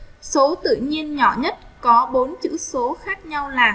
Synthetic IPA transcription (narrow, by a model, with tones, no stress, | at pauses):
so˨˦t̪ɨ̰˧˨ɲi˧ənɲɔ̰˧˩ɲə˦˥t̚kɔ˨˦ɓo˨˦nt͡ɕɨ̰˧˥so˨˦xaː˦˥k̚ɲa˧wlaː˨˩